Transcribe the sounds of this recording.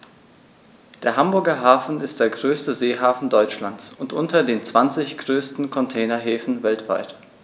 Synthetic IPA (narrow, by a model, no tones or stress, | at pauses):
d̥eːɐɦambʊɐɡɐɦaːfn̩ɪst̚d̥eːɐɡʁøːstəzeːɦaːfn̩dɔʏt͡ʃlant͡sʊntʔʊntɐdeːnt͡sv̥ant͡sɪçɡ̥ʁøːstn̩kʰɔntʰɛːnɐɦeːfn̩vɛltv̥a̰ɪt